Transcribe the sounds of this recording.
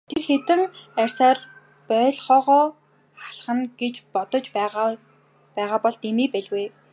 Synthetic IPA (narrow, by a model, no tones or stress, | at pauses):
t̪ʰerxet̪ɘ̆ŋærʲsaːr | pœːɮχɔːʁɔː | χḁɮχə̆ŋɡ̥et͡ɕpɔt̪ɞ̆t͡ɕpæʁ | pæːʁaːpɔɮt̪imiːpæɮɣuj